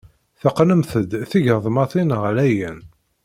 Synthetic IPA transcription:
θəqːnəmθəd̪θiʝəðˤmɑθˤinəʁlæjæn

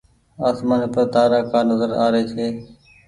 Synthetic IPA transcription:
aːsmaːniːpəɾt̪aːɾaːkaːnəzəɾa̰ːɾeːt͡ʃʰeː

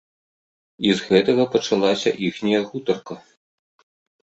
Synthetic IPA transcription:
izɣɛt̪ɐɣɐpɐt͡ʂalˠasʲɐ̰ʔixnʲɐjɐɣut̪ɐrkɐ

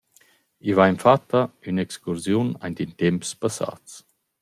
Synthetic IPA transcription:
ivajnfat̪ːaynɛkskuɾzjuna̰jnt̪int̪ɛmpspasa̰ːt͡s

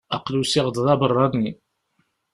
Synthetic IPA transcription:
ɑqlusiʁd̪ðˤɑbərˤːɑni

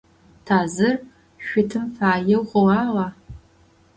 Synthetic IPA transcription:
tʰaːzɨr | ʃʷʊtʰɨmfaːjɛwʁʷɔwɑːʁɑ

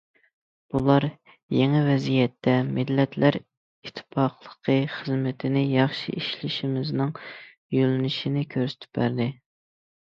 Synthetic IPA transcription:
b̥ulˠɑɾ | jeŋɛvɛzijɛt̪ʰːɛmɪd̪lɛt̪ʰlæɾ | it̪ʰːɪ̥pʰɑqlˠə̥qʰəχəzmɪt̪ʰɪnɪjɑχʃḭʔiʃlɪʃimɪznɪŋ | jølynɪʃinɪkʲʰøɾsɪ̥t̪ʰɪ̥p̚bæɾd̪ɪ

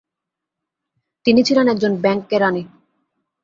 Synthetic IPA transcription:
t̪init͡ɕʰilenɛk̚d͡ʑonbɛŋkːeɾani

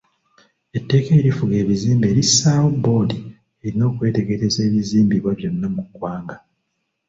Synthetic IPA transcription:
e̞tːe̞ːke̞ɾifuɡe̞ːβiziːmbie̞ːɾisːaːwobo̞ːdi | eɾino̞ːkwe̞ːte̞ɡeɾe̞ze̞ːβiziːmbiβwaβjo̞nːamukwaːŋɡa

